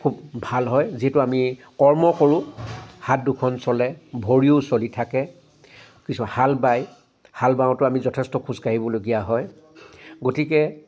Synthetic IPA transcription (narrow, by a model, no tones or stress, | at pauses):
kʰubbʱalɦɔjziɦɛtʊamikɔɹmɔkoɹʊ̃hat̚dukʰɔnsɔlɛbʱoɹiosolitʰakɛ | kisuahalbaj | halbãw̃tʊamizɔtʰɛstɔkʰuzkaɦibɔloɡijaɦɔj | ɡotikɛ